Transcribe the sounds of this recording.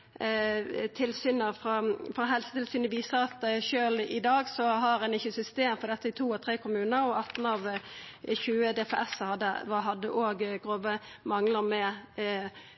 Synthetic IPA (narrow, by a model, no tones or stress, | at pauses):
t̪ʰɪlsyːnəfʁɑfɾɑɦɛlsə̥t̪ʰɪlsyːnəʋiːsəɾɑt̪ʃøːlɪd̪ɑːɡsɔɦɑɾɛnɪçːəsʏst̪eːmfɔɾd̪ɛt̪ːəɪt̪ʰuːɔt̪ʰʁeːkʊmʉːnəɾɔɑt̪ːn̩ɑʋ | çʉːəd̪ɛfḛʔɛshɑd̪əɑɦɑd̪ːəʔoːɡɡʁoːʋə | mɑŋləʁmɛ